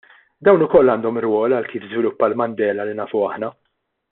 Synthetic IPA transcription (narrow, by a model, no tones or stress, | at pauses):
d̪ɐwnʊkɔlːɐːnd̪ɔmɪɾwɔːlɐlkiːfzvɪlʊpːɐlmɐnd̪ɛːlɐlinɐːfʊɐħnɐ